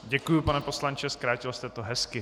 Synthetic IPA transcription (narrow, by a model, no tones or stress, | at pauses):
ɟɛkujupanɛpo̞slant͡ʃɛskɾaːcɪlst̪ɛt̪oɦɛskɪ